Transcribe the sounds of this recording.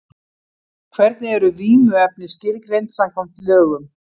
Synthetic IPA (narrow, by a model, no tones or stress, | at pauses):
kʰvɛɾt̪nɪɛɾʏviːnʏɛp̚nɪscɪɾkɾejnt̪sam̥kʰɔm̥t̪lʏːɣʏm